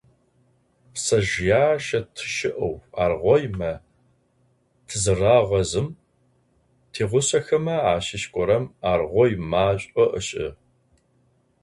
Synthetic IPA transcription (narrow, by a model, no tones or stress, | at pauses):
sɐʒjaːʃɐtʰɨ̥ʃɪʔɐwaːrʁʷɔjmɐ | tʰɨzɨraːʁʷɐzɨm | tʰeːʁʷʊɕɐxɐmɐaːɕɪɕkʷʼɔɾɐmaːrʁʷɔjmaːɕʼɔʔəɕʼɪ̰